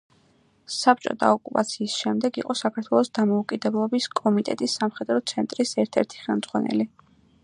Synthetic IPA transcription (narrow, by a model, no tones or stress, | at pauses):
sap̚t͡ʃʼɔ̰t̪ʰʼa̰ɔkʼupʼat̪sʰiːsʃɛmd̪ɛɡḭqʼɔsakʰaɾt̪ʰwɛlˠɔsd̪amɔukʼid̪ɛblˠɔbiskʼɔmit̪ʼɛ̰t̪ʼisːamχɛd̪ɾɔt̪sʰɛnt̪ʼɾisɛɾt̪ʰɛɾt̪ʰi̥χɛlˠmd̪z̥ʁwanɛ̰li